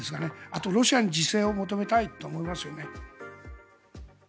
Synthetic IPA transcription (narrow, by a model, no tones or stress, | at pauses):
esɨɡane̞at̪o̞ɾo̞ɕiaɲ̟id͡ʑise̞ːo̞mo̞t̪o̞me̞t̪ait̪ːo̞ːmo̞imasɨjo̞ne̞